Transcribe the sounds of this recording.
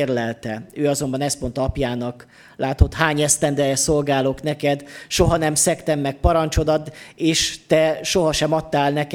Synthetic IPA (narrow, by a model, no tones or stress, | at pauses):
rlɛlt̪ɛøːɒzo̞mbɒnɛst̪mo̞nt̪ɒɒpjaːnɒk | laːt̪o̞t̪haːɲɛst̪ɛnd̪ɛɛsolɡaːloknɛkɛd̪ʃo̞ɦɒnɛmsɛkt̪ɛmːɛk̚pɒɾɒnt͡ʃo̞d̪ɒd̪eːʃt̪ɛʃo̞ɦɒʃɛmɒt̪ːaːlnɛk